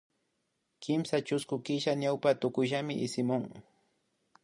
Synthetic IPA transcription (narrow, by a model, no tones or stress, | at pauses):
kɪmsat͡ʃʊskʊkɪʃaɲawpat̪ʊkʊʒamɪʔɪsɪmʊŋ